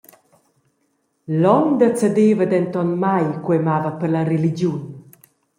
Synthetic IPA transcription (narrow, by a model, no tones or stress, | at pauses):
lɔnd̪ət͡səd̪evəd̪ɛnt̪ɔnmajkwemavəpəɾlarelid͡ʒjun